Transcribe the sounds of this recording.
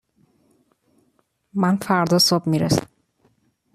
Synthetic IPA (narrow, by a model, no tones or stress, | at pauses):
mænfæɾd̪ɒsobmiɾesæ̰m